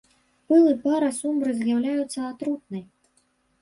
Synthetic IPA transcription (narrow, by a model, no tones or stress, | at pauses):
pɨlˠɨpaɾɐsumbɾɨzʲjawlʲajut̪sːɐat̪ɾut̪nɨj